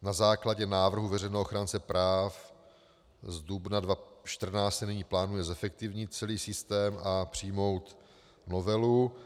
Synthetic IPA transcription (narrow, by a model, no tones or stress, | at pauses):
nazaːklaɟɛnaːvr̩ɦuvɛr̝ɛjnɛːoxɾaːnt͡sɛpɾʔaːf | zdubnadvaʃt̪r̩naːst̪ɛnɪɲiːplaːnujɛzɛfɛk̚t̪ɪvɲɪt̪̚t͡sɛliːsɪst̪ɛːmapr̝̥ijmo̞wt̪ | no̞vɛlu